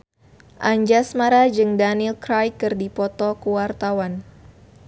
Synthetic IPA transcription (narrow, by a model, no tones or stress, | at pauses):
ʔaɲd͡ʒasmaɾad͡ʒɨŋdanilkɾajkɨrdipɔt̪ɔkuwart̪awan